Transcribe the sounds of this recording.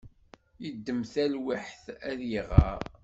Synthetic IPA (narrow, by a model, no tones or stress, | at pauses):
jəd̪ːəmθælwiħθæðjiʁɑ̰ɾ